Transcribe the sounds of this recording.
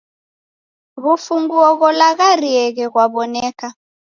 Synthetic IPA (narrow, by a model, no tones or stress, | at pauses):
βufuŋɡuɔɣɔlaɣariɛɣɛɣwaβɔnɛːka